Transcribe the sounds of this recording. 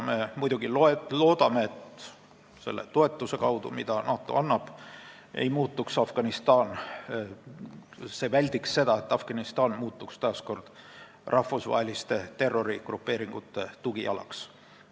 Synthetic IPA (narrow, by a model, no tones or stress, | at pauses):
me̞mujd̪̥uɡ̥iloelo̞ːd̪̥ɑme̞ːt̪ | se̞̰lːḛt̪o̞e̞t̪ːˑuse̞kɑwd̪ṵmid̪̥ɑnɑːt̪ːˑo̞̰ɑnːɑb̥ | ḛjmuːt̪ːˑuksɑfɡ̥ɑnist̪ɑːn | se̞vælʲd̪̥iksse̞d̪̥ɑe̞t̪ːɑfɡ̥ɑnist̪ɑːnmuːt̪ːˑukst̪ɑːsko̞rd̪̥ | rʔɑfusvɑ̰ɦe̞list̪e̞t̪e̞rːo̞ɾiɡ̥rupːˑe̞ːɾiŋɡ̥ut̪ːˑe̞t̪uɡ̥ijɑ̰lɑ̰ks